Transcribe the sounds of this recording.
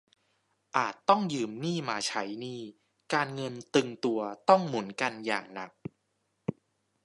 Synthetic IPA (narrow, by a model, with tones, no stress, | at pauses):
ʔaː˨˩t̪ːɔ˥˩ŋjɯː˧mniː˥˩maː˧t͡ɕʰa˦˥jniː˥˩ | kaː˧nŋɤ˧nt̪ɯ˧ŋt̪u˧ɐt̪ɔ˥˩ŋmu˩˦ənka˧nja̰ː˨˩ŋna̰˨˩k̚